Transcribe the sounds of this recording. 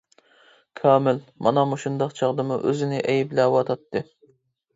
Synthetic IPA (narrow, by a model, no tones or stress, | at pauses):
kʰɑːmɪlmɑnɑmuʃund̪ɑqt͡ʃʰɑʁd̪ɨmuʔøzɪnɪʔɛjblɛwɑt̪ʰɑt̪ʰːɨ